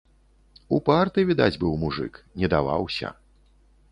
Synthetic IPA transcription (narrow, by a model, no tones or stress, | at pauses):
upart̪ɨvʲid̪ad͡zʲbɨwmuʐɨ̰knʲɛd̪ava̰wsʲɐ̰